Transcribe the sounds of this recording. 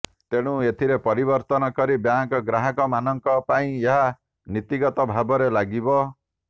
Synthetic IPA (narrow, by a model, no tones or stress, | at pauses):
t̪eɽ̃ũet̪ʰiɾepɔɾibɔɾt̪ɔnɔkɔɾibjaŋkɔɡɾaɦɔkɔmanɔŋkɔpaĩeɦa | nit̪iɡɔt̪ɔbʱabɔɾelaɡibɔ